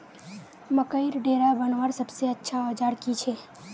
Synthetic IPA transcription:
məkəiɾɖeːɾabənʋəɾsɐbseɐtːʃʰaɔːd͡ʒaːɾkit͡ʃʰeː

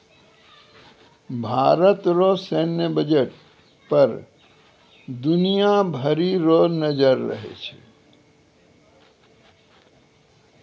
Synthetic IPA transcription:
bʱaːɾət̪ɾosenjəbəd͡ʒeʈ̚ | pəɾ | d̪unijabʱəɾiɾonəd͡ʒəɾːə̰ɦḛt͡ʃʰɛ̥̰

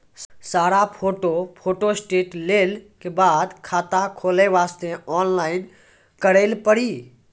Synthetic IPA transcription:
saːɾapʰoːʈopʰoːʈosʈeʈleːlkebaːd̪kʰaːt̪akʰoːleʋaːst̪eɔnlaːɪn | kəɾelpəɽi

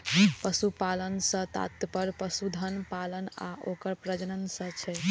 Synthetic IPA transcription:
pəsupalənsə̃t̪a̰t̪pəɾpəsud̪ʱənpaləna̰ʔokəɾpɾəd͡ʒənənsə̃t͡ʃʰɛ

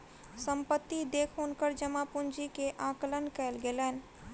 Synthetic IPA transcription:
səmpət̪ːid̪eːkʰɦunkəɾd͡ʒəmapund͡ʒikeʔãːkələnkəelɡelɛːn

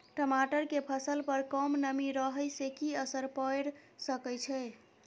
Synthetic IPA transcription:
ʈəmaʈəɾkepʰəsəlpəɾkəmnəmiɾəɦəjsekiəsəɾpəjɾsəkəjt͡ʃʰɛ

